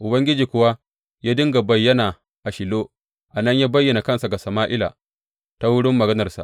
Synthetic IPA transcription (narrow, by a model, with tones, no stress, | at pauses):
ʔʊ˨bɐ˦ŋɡʲɪ˦d͡ʒiː˨kʷʊ˦wa˦ | jaː˦dɪ˦ŋɡa˨bɐ˨jːɐ˦na˨ | ʔa˨ʃɪ˨loː˦ | ʔa˨nɐ˦ɲjaː˦bɐ˦jːɐ˨na˨kɐ˦nsa˨ɡa˨sɐ˨maː˦ʔɪ˦la̰˨ | ta˦wʊ˦ɽɪ˦mːɐ˨ɡɐ˦nɐ˨rsa̰˨